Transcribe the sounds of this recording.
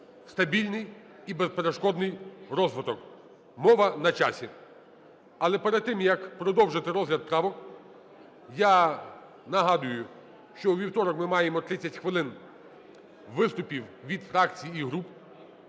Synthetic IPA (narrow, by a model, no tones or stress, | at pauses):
st̪ɐbʲilʲnɪj | ibespeɾeʃkɔd̪nɪjɾɔzʋɪt̪ɔk | mɔʋɐnɐt͡ʃɑsʲi | ɐlˠɛpeɾɛd̪̚t̪ɪmjɐkpɾɔd̪ɔwʒet̪eɾɔzɦlʲɐd̪̚pɾɑʋɔk | ja | nɐɦɑd̪ʊjʊ | ʃt͡ʃɔwʋʲiwt̪ɔɾɔkmɪmɑjemɔt̪ɾɪt͡sʲːɐtʲxʋɪlˠɪn | ʋɪst̪ʊpʲiwʋʲid̪fɾɑkt͡sʲijiiɦɾup